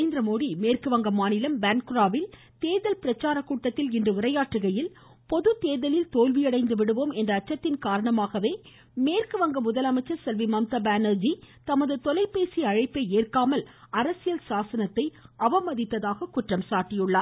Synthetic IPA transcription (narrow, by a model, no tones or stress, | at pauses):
ɪnd̪ɪɾɐmoːðimeːrkɯʋɐŋɡɐmaːnɪlɐmbaːnkʊɾaːʋɪl | t̪eːðɐlpɪɾɐt͡ʃːaːɾɐkːuːʈːɐt̪ːɪlɪndrɯʋɪrɐjaːʈːɯɣɐjɪl | pɔðɯt̪eːðɐlɪlt̪oːlʋijɐɽɐɪnd̪ɯʋɪɽɯʋoːmɛndrɐːt͡ʃːɐt̪ːɪnkaːɾɐɳɐmaːɣɐʋeː | meːrkɯʋɐŋɡɐmʊðɐlɐmɐɪt͡ʃːɐɾsɐlʋimɐmt̪ɐbaːnɐɾd͡ʒit̪ɐmɐðɯt̪ɔlɐɪpːeːsiɐɻɐɪpːɐeːrkaːmɐl | ɐɾɐsɪjɐlsaːsɐnɐt̪ːɐɪɐʋɐmɐðɪt̪ːɐðaːɣɐkʊʈrɐmsaːɾʈːijɯɭːaː